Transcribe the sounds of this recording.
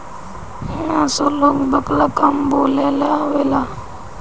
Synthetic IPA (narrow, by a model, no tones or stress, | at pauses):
ãsoloːɡbəklakamboːlelaʋela